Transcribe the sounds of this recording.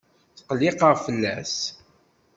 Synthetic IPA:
θqlːɪqəʁfəlːæs

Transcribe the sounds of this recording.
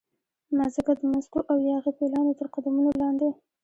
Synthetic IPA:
nazəkad̪əmazkoʔawjɑɣipelɑnot̪əɾqad̪amunolɑnd̪e

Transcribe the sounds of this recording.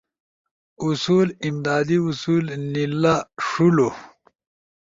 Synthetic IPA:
usuːlimd̪aːd̪iusuːlnilaʂulo

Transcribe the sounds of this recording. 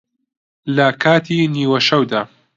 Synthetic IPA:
lɐkʰaːt̪ʰiːniːwɐʃɐwd̪aː

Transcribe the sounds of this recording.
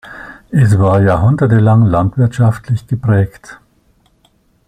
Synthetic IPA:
ʔɛs̬v̥aːɐjaːɐɦʊndɐtəlaŋlantv̥ɪɐtʃaftʰlɪçɡ̥əpʁ̥ɛːkt

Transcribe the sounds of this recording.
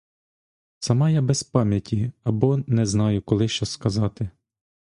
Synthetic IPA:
t̪sɐmɑjabɛspɑmʲjɐtʲiɐbɔnɛznɑjʊkɔlˠɪʃt͡ʃɔskɐzɑt̪ɪ

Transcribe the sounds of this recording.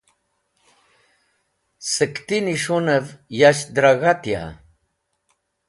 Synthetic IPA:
səkt̪iniʂunəvjaɕd̪ɾaɣat̪ja̰

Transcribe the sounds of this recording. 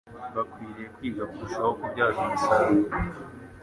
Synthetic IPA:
βakwiːɾekwiːɡakuɾuʃahokubɟaːzumusaɾi

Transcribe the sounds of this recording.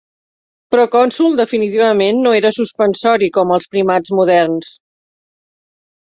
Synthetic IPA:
pɾɔkɔnsulˠd̪əfinit̪iβ̞əmenːoeɾəsuspənsɔɾikɔməlˠspɾimad͡zmuðɛrns

